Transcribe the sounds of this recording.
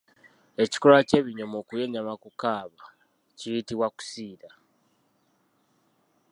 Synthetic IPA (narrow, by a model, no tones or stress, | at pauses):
e̞ci̥kolace̞ːβiɲo̞moːkujeɲamakukaːβa | cijitiβwaku̥siːɾa